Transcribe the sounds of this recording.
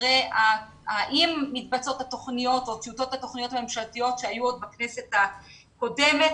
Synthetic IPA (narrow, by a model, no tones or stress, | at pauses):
ea | aʔimːit̚bat͡so̞t̪hat̪o̞χnijo̞t̪ot͡siuto̞t̪hat̪o̞χnijo̞t̪hamemʃaltijo̞tʃeajuod̪̚baknese̞t̪ha | ko̞demet